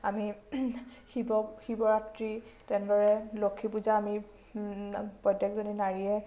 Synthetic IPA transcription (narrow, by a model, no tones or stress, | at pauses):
ami | hibɔxibɔɹatɹitɛndɔɹɛlokʰːipuzaːmi | pɔjdjakzoninaɹiɛ